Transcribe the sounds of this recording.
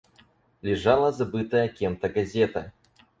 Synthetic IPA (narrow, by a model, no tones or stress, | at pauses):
lʲɪʐalˠɐzabɨt̪ɐjɐkʲɛmt̪ɐɡazʲɛt̪ɐ